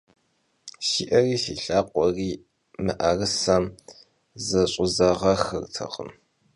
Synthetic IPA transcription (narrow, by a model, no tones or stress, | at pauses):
ʃiːʔɐriːsiːɬaːqʷʼɔriː | mɨʔɐrɨsɐm | zɐɕʼʊzɐʁɐxɨ̰rtʰɐ̰qʼə̰m